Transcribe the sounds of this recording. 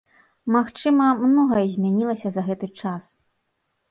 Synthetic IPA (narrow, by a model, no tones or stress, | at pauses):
maxt͡ʂɨmɐmnɔɣɐzʲmʲanʲilˠɐsʲɐzɐɣɛt̪ɨt͡ʂas